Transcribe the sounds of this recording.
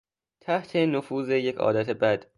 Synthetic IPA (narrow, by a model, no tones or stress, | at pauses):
t̪ʰæht̪ʰe̞nofuːzeje̞cʰɒ̰ːd̪æt̪ʰebæd̪̥